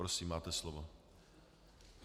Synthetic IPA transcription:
ɾosiːmaːt̪ɛslovo

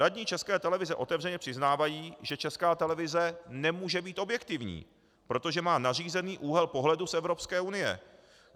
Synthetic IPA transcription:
ɾadɲit͡ʃɛskɛːt̪ɛlɛvɪzɛʔo̞t̪ɛvr̝ɛɲɛpr̥ɪznaːvajiːʒɛt͡ʃɛskaːt̪ɛlɛvɪzɛnɛmuːʒɛbiːt̪ʔo̞bjɛkt̪ɪvɲḭː | pɾo̞t̪o̞ʒɛmaːnar̝iːzɛniːʔuːɦɛlpoɦlɛdusɛvɾo̞pskɛːunɪjɛ̰

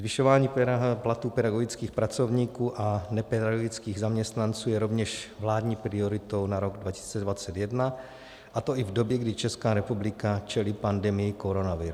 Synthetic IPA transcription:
zvɪʃovaːɲiːplat̪uːpɛdaɡo̞ɡɪt͡skiːxpɾat͡so̞vɲiːkuːʔanɛpɛdaɡoɡit͡skiːɣzamɲɛst̪nant͡suːjɛɾo̞vɲɛʃvlaːdɲiːpɾɪoɾɪt̪o̞wnaɾo̞ɡdvacɪ̥si̥ːt͡sɛdvat͡sɛt̪jɛdna | ʔat̪o̞ʔɪvdo̞bjɛɡdɪt͡ʃɛskaːɾɛpublɪkat͡ʃɛlipandɛmɪjɪkoɾo̞navɪɾu

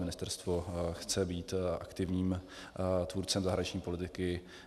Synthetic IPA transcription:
mɪnɪst̪ɛɾst̪voxt͡sɛbiːt̪ʔa̰kt̪ɪvɲiːm | t̪vuːɾt͡sɛmzaɦɾaɲit͡ʃɲiːpo̞lɪt̪ɪkɪ

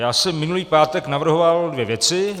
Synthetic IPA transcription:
jaːsɛmːɪnuliːpaːt̪ɛknavr̩ɦovaldvjɛvjɛt͡sɪ

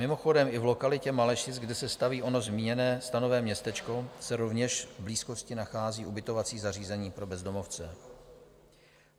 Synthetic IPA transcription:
mɪmoxo̞dɛmɪvlo̞kalɪcɛmalɛʃɪt͡sɡdɛsɛst̪aviːʔo̞no̞zmiːɲɛnɛːst̪ano̞vɛːmɲɛst̪ɛt͡ʃko̞sɛɾo̞vɲɛʃvbliːsko̞scɪnaxaːziːʔubɪt̪o̞vat͡siːzar̝iːzɛɲiːpɾo̞bɛzdo̞mo̞ft͡sɛ

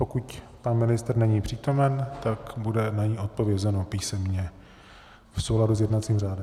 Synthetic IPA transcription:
po̞kuc | panmɪnɪst̪r̩nɛɲiːpr̥iːt̪o̞mɛnt̪akbudɛnaɲiːʔo̞t̪̚po̞vjɛzɛnopiːsɛmɲɛ | fso̞wladuzjɛdnat̪t͡siːmraːdɪ

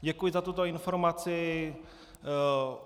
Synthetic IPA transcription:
ɟɛkujɪzat̪ut̪oɪnfoɾmat͡sɪ

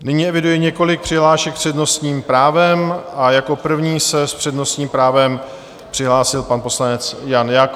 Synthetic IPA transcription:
nɪɲiːɛvɪdujɛɲɛko̞lɪk̚pr̥ɪɦlaːʃɛkpr̥ɛdno̞st̪ɲiːmpɾaːvɛmʔajako̞pr̩vɲiːsɛspr̝̥ɛdno̞st̪ɲiːmpɾaːvɛm | pr̥ɪɦlaːsɪlpanpo̞slanɛt͡sjanjaːk

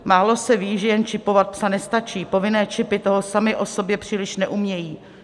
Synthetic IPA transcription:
maːlo̞sɛviːʒɛjɛnt͡ʃɪpo̞vat̪̚psanɛst̪at͡ʃiːpo̞vɪnɛːt͡ʃɪpɪt̪o̞ɦosamɪʔo̞so̞bjɛpr̥iːlɪʃnɛʔumɲɛjiː

